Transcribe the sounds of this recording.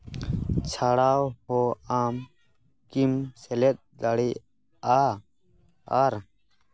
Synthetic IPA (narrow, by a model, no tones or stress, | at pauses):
t͡ʃʰaɽawhɔam | kimsɛlɛt̪̚d̪aɽi | a | aɾ